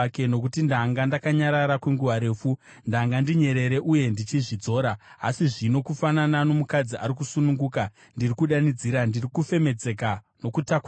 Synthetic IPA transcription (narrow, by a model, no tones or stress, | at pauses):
ke̞no̞kutindaːŋɡandakaɲaɾaɾakweŋɡuʋaɾe̞ːfu | ndaːŋɡandiɲe̞ɾe̞ɾe̞ʔuje̞ndit͡ʃiʐid͡zo̞ːɾa̰ːsiʐino̞kufananano̞mukad͡zia̰ɾikusunuŋɡuːka | ndirikuɗanid͡ziɾandirikufe̞me̞d͡ze̞kano̞kutakw